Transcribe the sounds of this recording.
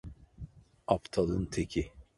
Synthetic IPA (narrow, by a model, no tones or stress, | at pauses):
apt̪ʰalˠɯnt̪ʰekʲʰi